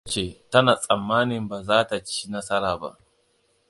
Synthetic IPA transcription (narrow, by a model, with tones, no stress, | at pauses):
t͡ʃe˨ta˦na˨sʼɐ˨mːaː˦nɪ˨mba˨zaː˦ta˨t͡ʃi̥ː˦na˦sɐ˦ɾaː˨ba̰˦ʔ